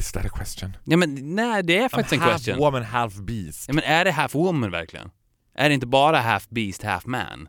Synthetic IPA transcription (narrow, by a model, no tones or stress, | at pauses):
ɪsæ̰ɾkʰwɛst̪jənjɑːmɛnnæːd̪ɛæɾfaktɪsɛnkwɛst̪jə̰nwʊmə̃nhæfbiːsɑːmɛ̃næɖɛɦæːfwʊmːənvæ̰ɾklɪ̰ɡə̰n | ʔæ̰ɖɛɪnt̪̬əbɑːɾaɦæːfbiːst̪hæ̰ːfmæ̰ːn